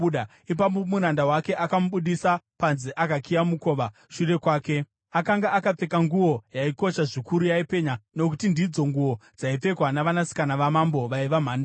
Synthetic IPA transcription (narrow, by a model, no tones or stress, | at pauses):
ɗa | ip̬amomuɾandawake̞ʔakamuɓuɗisapanziʔakakijamuko̞ʋa | ʃure̞kwaːke̞ | akaŋɡaakap͡fe̞kaŋɡuwo̞jaiko̞ʃaʐikuɾujaipe̞ɲano̞k̬utindid͡zo̞ŋɡuwo̞d͡zaip͡fe̞kwanaʋanasi̥kanaʋamambo̞ʋaiʋam̤aːnda